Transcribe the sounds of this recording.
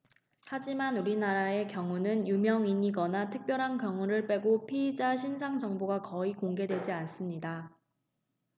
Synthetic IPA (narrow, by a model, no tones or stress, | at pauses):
had͡ʑimanuɾinaɾae̞kjʌŋunɯnjumjʌŋiɲiɡʌnatʰɯk̚p͈jʌɾɦankjʌŋuɾɯɭp͈e̞ɡopʰiːd͡ʑaɕʰinsʰaŋd͡ʑʌŋboɡakʌikoŋɡe̞dwe̞d͡ʑians͈ɯmɲida